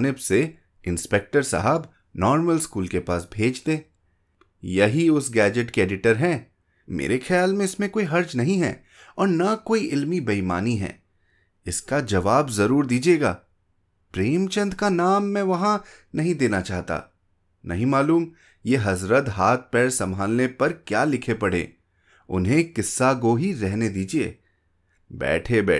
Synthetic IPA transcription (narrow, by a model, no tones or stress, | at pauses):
nɪbse | ɪ̃nspek̚ʈəɾsɐ̰ɦəb | nɔːɾməlskuːlkepaːsbʱeːd͡ʒt̪ẽː | jɐɦiʊsɡɛːd͡ʒəʈkeeːɖɪʈəɾɦɛ̃ː | mḛːɾexʰjaːlmẽɪsmẽkoːiɦɐɾd͡ʒnɐɦĩɦɛ̰̃ː | ɔːɾnakoːiʔɪlmibɐima̰ːniɦɛ̰̃ː | ɪskad͡ʒɐʋaːbzɐɾuːɾd̪iːd͡ʒieːɡa̰ː | pɾeːmt͡ʃɐ̃nd̪kanaːmːɛ̃ʋɐɦã | nɐɦĩd̪eːnat͡ʃaːɦt̪a̰ː | nʔɐ̰ɦĩmaːluːm | jeːɦɐzɾət̪ɦaːt̪̚ʰpɛːɽsɐ̃mbʱaːlnepɐɾkjaːlɪkʰepɐɽ̤ḛː | ʊ̰nɦẽkɪsːakoɦiɾɛɦned̪iːd͡ʒiḛː | bɛ̰ːʈʰebɛː